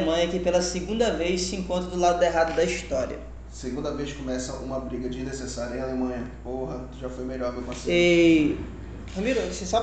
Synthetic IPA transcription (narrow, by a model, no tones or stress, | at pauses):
mɐ̃jɐkɪpelɐseɡũnd̪ɐvejʃsɪẽkõnt̪ɾɐd̪ʊlad̪ʊd̪eɦad̪ʊd̪ɐiʃt̪ɔɾiɐ̰ | seɡũnd̪ɐvejʃkõmɛsɐũmɐbɾiɡɐd͡ʒinesesaɾjɐɐẽalemɐ̃jɐpoɦɐ | ʒafojmeʎɔɾd̪ʊkõsee | hɐmiɾʊsesab